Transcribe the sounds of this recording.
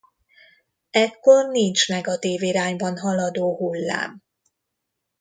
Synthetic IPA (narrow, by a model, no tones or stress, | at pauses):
ɛkːo̞rnint͡ʃnɛɡɒt̪iːviɾaːɲbɒnɦɒlɒd̪oːɦulːa̰ːm